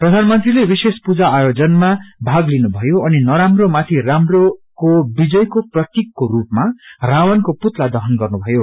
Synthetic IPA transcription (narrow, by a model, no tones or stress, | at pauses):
prʌd̪ʱanmʌnt̪rilebisespud͡zaːjod͡zʌnmabʱaɡlinubʱʌjoʌninʌɾamromat̪ʰiramrokobid͡zʌjkoprʌt̪jikːoɾupmarawʌnkoput̪lad̪ʌɦʌnɡʌrnubʱʌjo